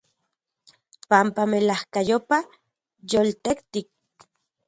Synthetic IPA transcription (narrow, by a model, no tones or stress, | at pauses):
pampamelahkajopa | jolt̪ekt̪ik̚